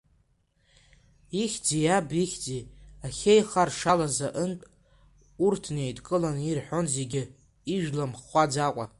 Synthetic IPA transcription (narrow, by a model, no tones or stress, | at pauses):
iχʲd͡zijabiχʲd͡ziaχʲejχarʂalazaʔəntʼ | urtʰne̞jtʼkʼɨlanirħʷo̞nzeɡʲɪ | iʒᶣlamχʷad͡zakʷʼa̰